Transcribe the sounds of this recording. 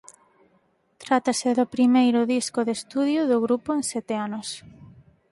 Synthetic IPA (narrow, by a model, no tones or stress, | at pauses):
t̪ɾat̪asɪðʊpɾimejɾʊðiskʊðest̪uðjʊðʊɣɾupʊensɛt̪eanos